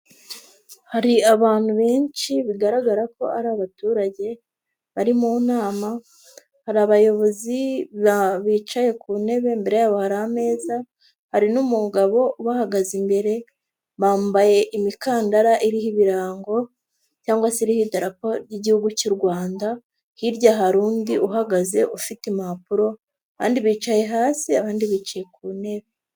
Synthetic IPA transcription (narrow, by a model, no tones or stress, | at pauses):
haɾiaβaːn̥huβeːnt͡ʃiβiɡaɾaɡaɾako̞aɾaːβatuːɾaɟe̞ | βaɾimuːnaːma | haɾaβajo̞βo̞ziβaβiːt͡ʃaje̞kuːne̞βe̞mbe̞ɾe̞jaːβohaɾaame̞ːza | haɾinumuɡaβo̞uβahaɡazimbe̞ɾe̞ | βaːmbaje̞ʔimikaːndaɾaʔiɾihiβiɾaːŋɡo̞ | caːŋɡwasiɾihidaɾapoɾɟiɟihuɡucuɾɡwaːnda | hiɾɟaɦaɾuːndiʔuɦaɡaze̞ʔufitemapuɾo̞ | aβa̰ːndiβiːt͡ʃaje̞ɦaːsiaβaːndiβiːt͡ʃaje̞kuːne̞βe